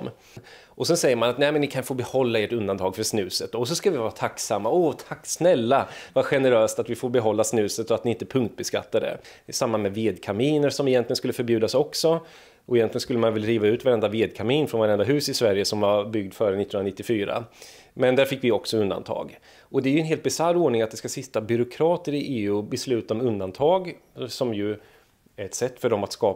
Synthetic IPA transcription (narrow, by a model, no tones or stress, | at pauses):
m | ɔsɛnsɛjːəɾmanat̪nɛːmɛnːɪkʰanfoːbɛhɔlːaeːʈɵnd̪ant̪ʰɑːɡfœsnʉ̟ːsət̪̚ːɔs̬ɔskavɪvaːɾat̪ʰaksamːaɔt̪ʰaksnɛlːavaɧɛnəɾøːst̪at̪vɪfoːɾbɛɦɔlːasnʉ̟ːsət̪ɔat̪nɪɪnt̪əpʰɵŋkt̪̚bɛska̰t̪ːad̪ɛ̰ | samːamɛveːd̪kʰamiːnəʂɔmɪjɛnt̪lɪɡənskɵlːəfœɾbjʉ̟ːd̪asɔksɔ | ʔɔɪjɛnlɪɡənskɵlːəmanvɛlːɾiːvaʉ̟ːt̪vaɾɛnd̪aveːd̪̚kʰamiːnfɾɔnvaɾɛnd̪aɦʉ̟ːsɪsvæɾjəsɔmvaɾbʏɡ̚d̪fœːɾənɪːhɵnanɪt̪ːɪfyːɾa̰ | mɛnd̪æɾfɪkːvɪɔksɔɵnd̪a̰nt̪ʰɑ̰ːɡ | ɔd̪ɛæjɵɛnɦeːlt̪bɪsarːoːɖɳɪŋat̪d̪ɛskasɪt̪ːabʏɾʊkʰɾɑːt̪əɾɪʔeːʉːbɛslʉ̟ːt̪aɔmɵnd̪ant̪ʰɑːɡsɔmjɵ | æɾɛt̪sɛt̪ːfœɖɔmat̪skɑː